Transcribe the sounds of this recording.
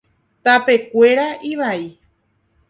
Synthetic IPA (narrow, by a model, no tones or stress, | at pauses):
t̪ape̞kʷe̞ɾaʔiβai